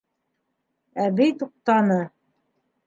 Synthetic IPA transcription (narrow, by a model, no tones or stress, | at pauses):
æbɘjt̪uq̚t̪ɑnɤ